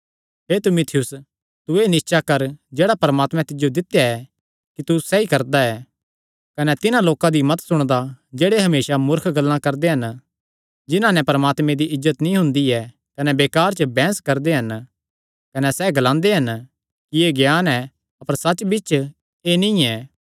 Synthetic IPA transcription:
ɦeːɾt̪ɪmʊt̪ʰɪjʊs | t̪ʊenɪst͡ʃakɐɾd͡ʒeːɽapɐɾəmaːt̪mɛ̃t̪ɪd͡ʒjod̪ɪt̪jaɛ | kit̪usɛikɐɾd̪aɛ | kɐnɛt̪ɪnãloːkãd̪imɐt̪sʊɽ̃d̪ad͡ʒeːɽeɦɐmeːʃamʊɾkʰɡɐlːãkɐɾd̪eɦɐn | d͡ʒɪnãnɛpɐɾəmaːt̪mẽd̪iʔɪzːət̪nĩɦʊ̃nd̪iɛ | kɐnɛbeːkaːɾt͡ʃəbɛ̃ːskɐɾd̪eɦɐn | kɐnɛsɛɡɐlãːnd̪eɦɐn | kieɡjaːnɛ | ɐpəɾsɐt͡ʃbɪt͡ʃ | eːnĩɛː

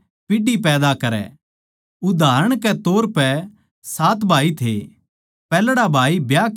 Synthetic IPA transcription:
pɪɖipɛːd̪akɐɾɛ̰ | ʊd̪ʱaːɾəɽ̃kɛt̪oːɾpɛ | saːt̪bʱaːit̪ʰe | pɛːlɽabʱaːibjaːk

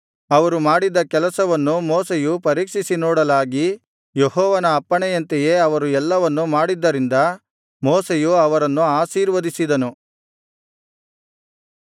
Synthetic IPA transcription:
ɐʋɐɾumaːɽid̪ɐkɛlɐsɐʋɐnːumoːsejupɐɾiːkʂisinɔːɽɐlaːɡi | jehɔːʋɐnɐːpːɐɳɛjɐnt̪ɛje̞ɐʋɐɾuɛlːɐʋɐnːumaːɽid̪ːɐɾind̪ɐ | moːsejuɐʋɐɾɐnːuaːsiːɾʋɐd̪isid̪ɐnu

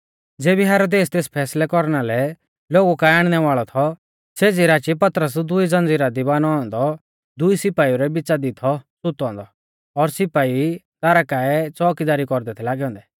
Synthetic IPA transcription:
d͡zeːbiɦɛːɾod̪eːst̪eːspʰɛːslɛkɔɾnalɛ | loːɡukaɛaːɽ̃nɛʋaːɭɔt̪ʰɔ | seːd͡ziɾaːt͡ʃipɐt̪ɾəs̬d̪ʊid͡zɐ̃nd͡ziɾad̪ibaːnɔɔ̃nd̪ɔ | d̪ʊisɪpaːiuɾɛbɪt͡sad̪ɪt̪ʰɔsʊt̪ɔ̃ːnd̪ɔ | ɔɾsɪpaːit̪aːɾakaːɛt͡sɔːkɪdaːɾikɔɾd̪ɛt̪ʰɛlaːɡɛɔ̃ːnd̪ɛ

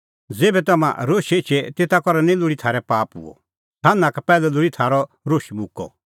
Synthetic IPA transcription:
d͡zeːbɛt̪ɐmã̰ɾoːʃet͡ʃʰɛt̪eːt̪akɔɾanĩlʊɽit̪ʰaːɾɛpaːpɦʊ̰ɔ̰ | t̪ʰanːãkapɛːlɛlʊɽit̪ʰaːɾɔ | ɾoːʃimʊ̃kːɔ̰

